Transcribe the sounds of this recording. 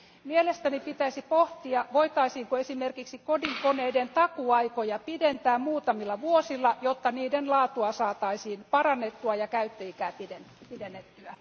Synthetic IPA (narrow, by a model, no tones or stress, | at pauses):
mielest̪ænipit̪æisipoht̪iɑʋoit̪ɑisiːŋkoesimerkiksikodiŋkoneident̪ɑkuɑikojɑpident̪æːmmuːt̪ɑmilːɑʋuosilːɑjot̪ːɑniːdenlɑːt̪uɑsɑːt̪ɑisiːnpɑrɑnːet̪ːuɑjɑkæyt̪ːøikæːpiden | pidenːet̪ːyæ